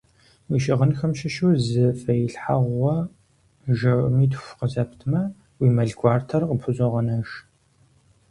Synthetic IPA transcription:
wiʃɪʁənxɐmʃɪʃuzɨfɐjɪɬħaʁʷɔ | ʒɐʔmiːtʰfʷqəzɐpʰtʰmɐ | wiːmɐɮɡʷʼɑːrtʰɐrqəpʰʊzʼɔʁɐnɐʃ

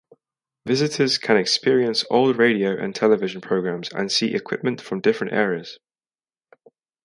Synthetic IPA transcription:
vɪzɪtʰəz̥kʰə̃ñɛkspɪəɹiə̃nsɔːlˠɹeɪdioʊʔə̰̃ntʰɛlɪvɪʒə̃npʰɹ̥əʊɡɹãmz̥ə̰̃nsiːʔɪ̰kʰw̥ɪ̰p̚mə̃ntfɹə̃mdɪfɹə̃ntɛ̰ːɹiəz̥

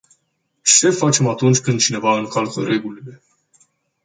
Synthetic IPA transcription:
t͡ʃe̞fat͡ʃe̞mat̪unt͡ʃʲkɨnd̪̚t͡ʃine̞vaɨŋkalkəɾe̞ɡulile̞

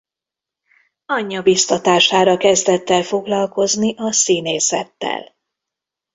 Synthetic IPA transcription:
ɒɲːɒbist̪ɒt̪aːʃaːɾɒkɛzd̪ɛt̪ːɛlfo̞ɡlɒlko̞zniʔɒsiːneːsɛt̪ːɛ̰l

